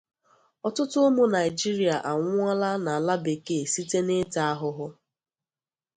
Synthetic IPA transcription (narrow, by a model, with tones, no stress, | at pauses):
ɔ˨tʊ˦tʊ˦o˦mo˦na˨ɪ˨d͡ʒi˦ɾi˨a˨ʔa˨ŋʷʊ˦a˦la˦na˨la˦be˨ke˨si˦te˦ne˦ta˦a˦ɦʊ˦ɦʊ˦